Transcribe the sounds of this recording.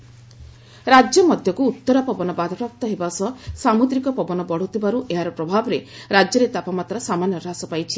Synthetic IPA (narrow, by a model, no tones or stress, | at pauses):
ɾad͡ʒjɔmɔd̪ʱjɔkuːt̪ːɔɾapɔbɔnɔbad̪ʱɔpap̚t̪ɔɦebasɔsamud̪ɾikɔpɔbɔnɔbɔɽ̤ut̪ibaɾuʔeɦaɾɔpɾɔbʱabɔɾeɾad͡ʒjɔɾet̪apamat̪ɾɔsamanjɔɾɦasɔpajt͡ʃʰi̥